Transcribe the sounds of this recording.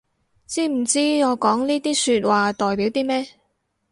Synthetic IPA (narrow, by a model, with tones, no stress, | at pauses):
t͡siː˥m̩˨˩t͡siː˥ŋɔː˨˧kɔː˨˥ŋniː˥t̪iː˥syː˧t̚waː˨t̪ɔː˨jpiː˨˥wt̪iː˥mɛː˥